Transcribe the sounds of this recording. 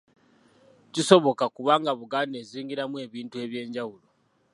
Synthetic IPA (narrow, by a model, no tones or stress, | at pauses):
ciso̞βo̞kakuβaŋɡaβuɡane̞ziːŋɡiɾamwe̞ːβiːntue̞ːβje̞ːɲɟawulo